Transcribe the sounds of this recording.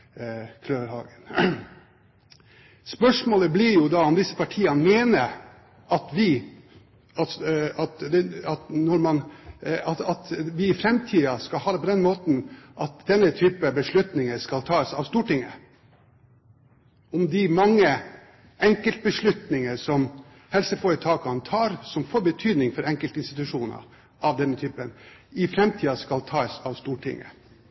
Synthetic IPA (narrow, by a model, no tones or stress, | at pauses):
kʰløːʋəɾhɑ̰ːɡən | spœʂmoːləblɪɾjʊd̪ɑɔmd̪ɪsːə̥pʰɑʈʰiːɑmeːnəɾ | ɑt̪ʋɪ | ɑt̪ɑt̪d̪ɛɑt̪nɔɾmɑnɑt̪ɑt̪ʋɪɪfɾɛmt̪ʰiːɑskɑlhɑːd̪əpʰɔd̪ɛnmoːt̪n̩ʔɑt̪̚d̪ɛnːət̪ʰyːpəbəʂɭʉt̪nɪŋəskɑlt̪ʰɑːəsɑʋst̪uːʈɪŋə̰ | ɔmd̪ɪmɑŋːə | ɛŋkəlt̪̚bəʂɭʉt̪nɪŋəsɔm | hɛlsəfoːɾət̪ʰɑːkɑnt̪ʰɑːɾsɔmfoːɾbət̪ʰyːd̪nɪŋfɔɾɛŋkəlt̪əɪnst̪ɪt̪ʉʂuːnə̰ɾ | ʔɑʋd̪ɛnːət̪ʰyːpənɪfɾɛmt̪ʰiːɑskɑlt̪ʰɑːəsɑʋst̪uːʈʰɪ̰ŋːə̰